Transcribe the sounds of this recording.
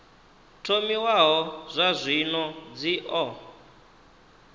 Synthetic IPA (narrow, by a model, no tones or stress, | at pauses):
tʰomiwaɦɔzʷazʷinɔd͡ziʔɔ